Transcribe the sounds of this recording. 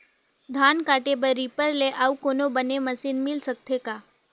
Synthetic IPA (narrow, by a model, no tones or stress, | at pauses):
d̪ʱankaʈebəɾipəɾleʔaukonobəneməsinmɪlsək̚t̪ʰeka